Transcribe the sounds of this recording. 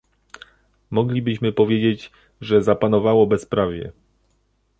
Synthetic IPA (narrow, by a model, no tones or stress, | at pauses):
mɔɡlʲibɘɕmɘpɔvʲjed͡ʑed͡ʑ | ʐɛzapanɔvawɔbɛspɾavʲjɛ̰